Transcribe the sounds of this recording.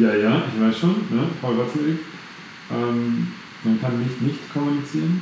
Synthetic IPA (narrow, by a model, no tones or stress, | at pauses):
jaːjaːʔɪçv̥aɪsʃoːnːəfɔlʁatsedɪk | ʔɛːm | mankʰanːɪçtnɪçtkʰɔmunit͡siːʁən